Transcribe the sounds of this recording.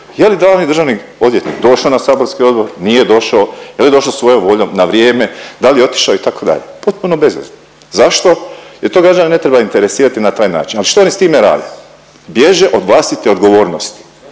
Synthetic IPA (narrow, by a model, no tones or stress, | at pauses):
jeljid̪anid̪r̩ʒaʋnik | od̪je̞t̪nḭːkd̪o̞ʃaonasaːbo̞ɾskio̞d̪̚bo̞ɾnije̞d̪o̞ʃaojeljeo̞ʃlaosʋo̞jomʋo̞ʎomnaʋɾjeːme̞d̪aljeo̞t̪i̥ʃaoit̪ako̞d̪a̰ʎḛpo̞t̪̚punobe̞zʋḛz | zaʃt̪o̞je̞t̪oːɡɾad͡ʒanine̞t̪ɾe̞baint̪eɾe̞siːɾat̪inat̪aːjna̰ːt͡ʃinaliʃt̪oonist̪iːmeɾa̰ːd̪i | bje̞ʒe̞ʔo̞d̪ʋlˠaːst̪it̪eo̞d̪ɡo̞ʋo̞ːɾnost̪i̥